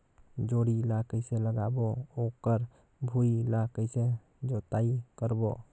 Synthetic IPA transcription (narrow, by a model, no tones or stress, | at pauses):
d͡ʒoɽilakəjseləɡabookəɾ | bʱuilakəɪse | d͡ʒot̪aikəɾbo